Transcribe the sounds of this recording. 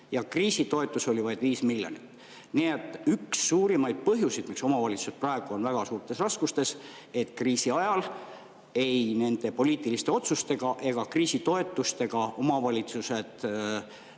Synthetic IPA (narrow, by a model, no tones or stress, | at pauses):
jɑkriːsit̪o̞e̞t̪ːˑuso̞lʲivɑjd̪viːsmiljo̰nit̪ː | niet̪ːˑyksːuːɾimɑjd̪̥̚pɤɦjusid̪̥mikso̞mɑvɑlʲit̪suset̪prɑe̞ɡ̥uo̞nvæɡ̥ɑsuːrt̪ˑe̞srɑskust̪e̞s | e̞t̪ːˑkriːsiɑjɑl | e̞jne̞nd̪̥e̞po̞lʲiːt̪ˑilist̪e̞o̞t̪sust̪e̞ɡ̥ɑʔe̞ɡ̥ɑkriːsit̪o̞e̞t̪ːˑust̪e̞ɡ̥ɑʔo̞mɑvɑlʲit̪suse̞d̪̥